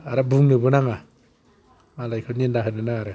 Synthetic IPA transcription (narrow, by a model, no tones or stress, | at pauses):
aɾabuŋnɯbɯnaŋa | malajkʰɯnindaɦɯnɯnaaɾɯ